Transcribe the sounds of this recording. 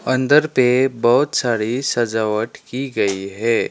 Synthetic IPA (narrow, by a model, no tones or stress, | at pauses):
ɐ̃nd̪əɾpebɐɦʊt̪saːɽisɐd͡ʒaːʋəʈkiɡɐiɦɛː